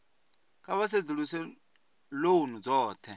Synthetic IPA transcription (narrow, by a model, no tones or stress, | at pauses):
kʼaβas̬ed͡zuɺusɛ | lounud͡zɔːt̪ʰɛ